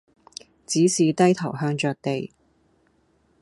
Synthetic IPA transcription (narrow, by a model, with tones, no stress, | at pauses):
t͡siː˨˥siː˨˧t̪ɐ˥jt̪ʰɐ˨˩wɦœː˧ŋt͡ʃœː˨˧k̚t̪e˨j